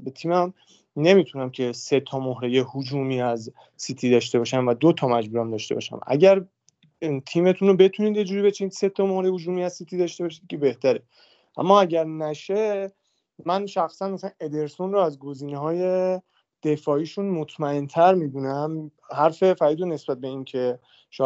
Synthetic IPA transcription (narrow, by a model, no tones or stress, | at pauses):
bet̪ʰiːmæm | ne̞mit̪ʰunæmcʰe̞se̞t̪ʰɒmohɾejehod͡ʒuːmiːæz | sit̪ʰiːd̪ɒːʃ̬t̪e̞bɒːʃæmvæd̪ot̪ʰɒmæd͡ʒbuːɾæmd̪ɒːʃt̪ebɒ̰ʃæ̰mʔæ̰ɟæɾ | t̪ʰiːme̞t̪ʰuːnobe̞t̪ʰuniːd̪je̞d͡ʒuːɾiːbe̞t͡ʃʰeniːd̪̥se̞t̪ʰːɒmohɾejhod͡ʒuːmiːæzsit̪ʰiːd̪ɒːʃt̪e̞bɒʃiːd̪̚kʰebe̞ht̪æɾe̞ | ʔæ̰mːɒːæɟæɾnæʃe | mænʃæxsænmæsæne̞d̪e̞ɾso̞nroæzɡo̞ziːneɦɒːje̞ | d̪̥e̞fɒːiːʃunmot̪ʰmæe̞nt̪ʰæɾmid̪unæm | hæɾfe̞fæɾiːd̪one̞sbæt̪̚be̞iːncʰe̞ | ʃɒ